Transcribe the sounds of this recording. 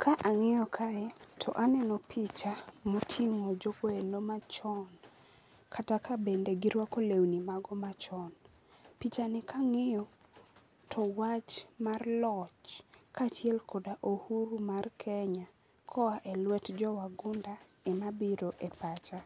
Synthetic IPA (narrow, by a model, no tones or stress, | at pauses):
kʰaʔaŋɪjɔkʰaɛtʰɔʔanɛnɔpit͡ʃamotʰiŋod͡ʒokoenomat͡ʃɔn | kʰatakʰabendeɡiɾwakolewnimaɡɔmat͡ʃɔn | pit͡ʃanɪkʰaŋejɔ | tʰɔwat͡ʃmarlɔt͡ʃkʰat͡ʃjɛlkʰodaʔohuɾumarkʰɛɲa | kʰɔaʔelwɛtd͡ʒɔwaɡʊnda | emabiɾoʔepat͡ʃa